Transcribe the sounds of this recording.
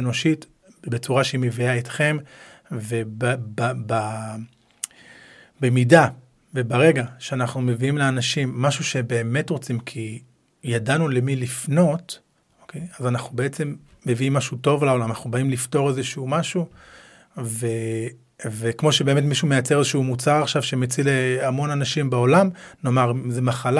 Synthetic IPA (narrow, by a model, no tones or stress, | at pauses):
eno̞ʃit | bet͡suʁaʃeimeviaetχe̞m | vebbaba | bemida | ve̞baʁe̞ɡaʃeanaχnume̞viimleanaʃimːaʃuʃe̞be̞ːme̞tʁo̞t͡simkʰi | jadanule̞milifno̞t | okejazanaχnube̞et͡se̞mː | eviimːaʃuto̞vlao̞lamanaχnubaimlifto̞ʁe̞zeʃumaʃu | ve | vekmo̞ʃebe̞ːme̞tmiʃume̞jat͡se̞ʁezeʃumut͡saʁaχʃavʃemet͡sileamo̞nanaʃimbaolamno̞maʁzemaχala